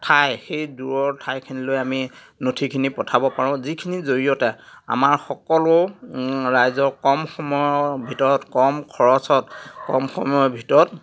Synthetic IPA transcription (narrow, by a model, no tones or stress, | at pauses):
tʰajxejduɹɔɹtʰajkʰinilojami | notʰikʰinipɔtʰabɔpaɹʊ̃zikʰinizoɹijɔtɛa̰maɹxɔkɔlʊ | ɹajzɔɹkɔmxɔmɔjɔbʱitɔɹɔtkɔmkʰɔɹɔsɔtkɔ̰mxɔmɔjɔbʱitɔɹɔt